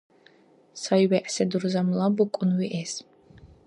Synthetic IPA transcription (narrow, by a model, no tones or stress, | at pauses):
sajwɛʔsɛd̪uɾzamlabukʷʼunwiʔɛs